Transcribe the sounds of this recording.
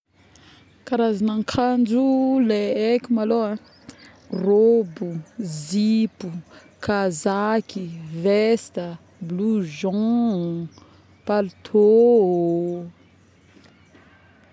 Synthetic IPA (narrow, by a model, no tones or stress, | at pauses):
kaɾazanaŋkʰand͡ʒuleekʲumaloa | robuzipu | kazakivest̪ə | bluʒɔ̃ | palut̪ʰo